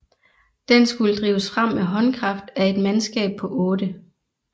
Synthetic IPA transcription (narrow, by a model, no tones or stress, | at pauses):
d̥ensɡ̥uləd̥ʁiːʊəsfʁam̰eɦɒ̽nkʰʁɑ̈fd̥æe̝d̥mænsɡ̥ɛ̰ːb̥̚pʰɒ̽ʔɔːd̥ə